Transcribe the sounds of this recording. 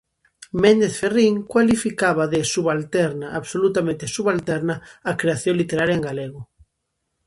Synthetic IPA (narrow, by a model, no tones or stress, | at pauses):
mẽnd̪eθferiŋkwalifikaβaðesuβalt̪ɛɾnaʔaβsolut̪amẽnt̪esuβalt̪ɛɾnaakɾeaθjõŋlit̪eɾaɾjɐeŋɡaleɣ̞ʊ